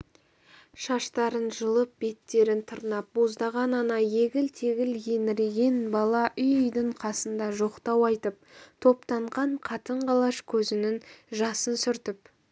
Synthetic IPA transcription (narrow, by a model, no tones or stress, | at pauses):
ʃɑʃt̪ɑɾənʒəlˠəp̚be̞t̪ːe̞ɾɪnt̪ʰʊɾnɑp̚bo̞zd̪ɑʁɑnɑnɑjeɡʲɪlt̪ʰeɡʲɪljenɪɾɡʲe̞nbɑlˠɑʔʏjʏjd̪ɪɴqʰɑsənd̪ɑʒo̞qt̪ɑwɑjt̪əp̚t̪ʰo̞pt̪ɑɴʁɑɴqʰɑt̪əɴqɑlˠɑʃkʲʰɵzɪnɪŋʒɑsənsʏɾt̪ɪp